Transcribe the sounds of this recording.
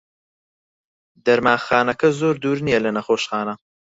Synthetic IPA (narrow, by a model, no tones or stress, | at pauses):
d̪ɐɾmaːxaːnɐkɐzoːɾd̪uːɾnijɐlɐnɐxoːʃxaːnɐ